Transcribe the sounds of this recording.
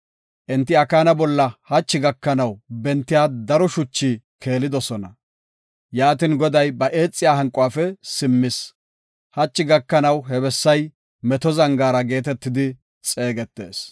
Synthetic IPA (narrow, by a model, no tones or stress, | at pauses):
ʔɪnt̪ːɪɐkaːnɐbɔlːɐhɐt͡ʃːɪɡɐkːɐnɐwbɛnt̪ːɪjaːd̪ɐɾɔʃʊt͡ʃːi | kʰe̞ːlɪd̪ɔsɔnɐ | jaːt̪ɪnɡɔd̪ɐjbɐʔe̞ːt͡sʼːɪjaːɦɐŋkʼʊwaːfɛsɪmːɪs | hɐt͡ʃːɪɡɐkːɐnɐwɦɛβɛsːɐj | mɛt̪ɔzɐŋɡaːɾɐɡe̞ːt̪ɛt̪ːɪd̪ɪ | t͡sʼe̞ːɡɛt̪ːe̞̰ːs